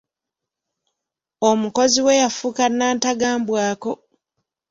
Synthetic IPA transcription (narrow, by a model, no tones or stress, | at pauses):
omuko̞ziwe̞jafukanːaːntaɡaːmbwaːko̞